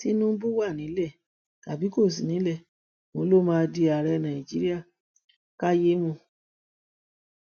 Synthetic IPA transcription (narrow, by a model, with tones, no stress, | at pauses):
ti˦nũ˦bu˦wa˦˨nĩ˨˦lɛ˦˨ | ta˨bi˨˦ko˦˨s̬i˨nĩ˨˦lɛ˦˨ | mõ˧˦lo˦˨mãː˦˧˦di˧a˨ɾɛ˧˦nã˨i˨d͡ʒi˦ɾi˦a˦˨ | ka˦je˦mũ˧